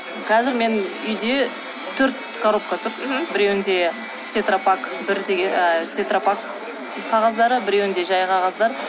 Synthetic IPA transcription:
qʰɑzɪɾme̞nʏjd̪e̞ | t̪ʰɵɾt̪̚ | kʰaɾo̞p̚kat̪ʰʊɾbɪɾewɪnd̪e̞ | t̪ʰet̪ropakbɪɾd̪eɡʲt̪ʰet̪ropak | qʰɑʁɑzd̪ɑɾəbɪɾewɪnd̪e̞ʒɑjqʰɑʁɑzd̪ɑɾ

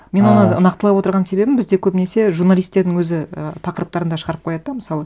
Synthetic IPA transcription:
me̞nwo̞nəʊ̰nɑqt̪əɑpwo̞t̪əɾʁɑnse̞be̞bɪnbɪzd̪e̞kʲʰɵbɪne̞se̞ʒuɾnalˠijst̪ːe̞ɾd̪ɪŋwɵzɪə̰t̪ʰɑqəɾəp̚t̪ɑɾənd̪ɑʃəʁɑɾəp̚qʰo̞jɑd̪əd̪ɑməsɑlˠə

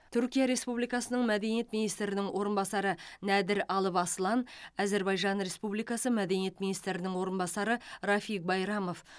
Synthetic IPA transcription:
t̪ʰʏɾkʲijɑɾe̞spublijkɑsənəɴmæd̪e̞nijet̪minijst̪ɾɪnɪŋwʔo̞ɾənbɑsɑɾənæd̪ɪɾɑlˠəpɑslˠɑnæze̞ɾbɑjʒɑnɾe̞spublijkɑsəmæd̪e̞nije̞t̪mʲinijst̪ɾɪnɪŋwo̞ɾənbɑsɑɾəɾɑfijk̚bɑjɾɑmo̞f

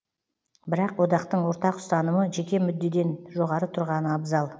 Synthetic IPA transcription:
bɪɾɑqwo̞d̪ɑqt̪əɴwo̞ɾt̪ɑqʊ̥st̪ɑnəməʒe̞kʲe̞mʏd̪ːe̞d̪e̞nʒo̞ʁɑɾət̪ʰʊɾʁɑnəɑbzɑlˠ

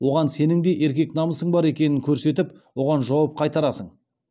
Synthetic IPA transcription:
wo̞ʁɑnse̞nɪŋd̪e̞ʔe̞ɾkʲe̞knɑməsəɴbɑɾe̞kʲe̞nɪŋkʲʰɵɾse̞t̪̬ɪp | wo̞ʁɑnʒɑwɑp̚qʰɑjt̪ɑɾɑsəɴ

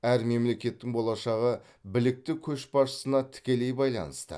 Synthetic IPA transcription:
æɾme̞mle̞kʲe̞t̪ːɪŋbo̞lˠɑʃɑʁə | bɪlɪk̚t̪ɪkʲʰɵʃbɑʃə̥sənɑt̪ʰɪ̥kʲe̞le̞jbɑjlˠɑ̰nəst̪ə̰

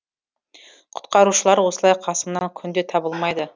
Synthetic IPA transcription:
qʰʊ̥t̪qɑɾuʃəlˠɑɾwo̞səlˠɑjqʰɑsəmnɑŋkʲʰʏnd̪e̞t̪ʰɑbəlˠmɑjd̪ə

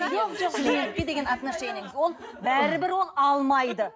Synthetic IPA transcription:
ʒoqʒoqsəmejenɪkʲed̪e̞ɡʲenɑt̪ənɑʃɑeneŋɪzwo̞lˠbæɾɪbɪɾwo̞lˠɑlˠmɑjd̪ə

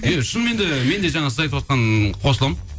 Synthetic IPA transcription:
jaʃʊnme̞nd̪ɪme̞nd̪e̞ʒɑɴɑsəzɑjt̪əwot̪̚qɑnqʰo̞səlˠəm

